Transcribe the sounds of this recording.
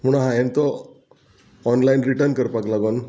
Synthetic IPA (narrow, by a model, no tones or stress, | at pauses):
m̤uɽ̃ɦajent̪ɔ | ɔnlainɾiʈəɾnkəɾpaklaɡon